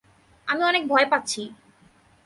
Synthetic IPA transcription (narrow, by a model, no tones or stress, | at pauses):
amiɔnek̚bʱɔepatːɕʰi